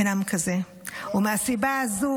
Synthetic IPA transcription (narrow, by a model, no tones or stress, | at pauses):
eɾamukʰɐze | omasibazu